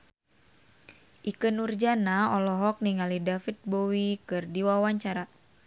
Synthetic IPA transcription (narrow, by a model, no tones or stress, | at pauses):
ʔikɨnurd͡ʒanaɔlɔɦɔk̚niŋalidafit̪̚bowikɨrdiwawaɲt͡ʃaɾa